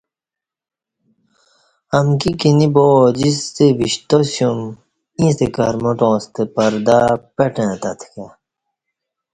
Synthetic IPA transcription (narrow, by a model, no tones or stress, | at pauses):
ɐmkikiniboːd͡ʑisːebiɕt̪osjum | ĩːst̪ekɐɾmoʈõːst̪epɐɾd̪apeʈẽːt̪ɐt̪ʰkʰe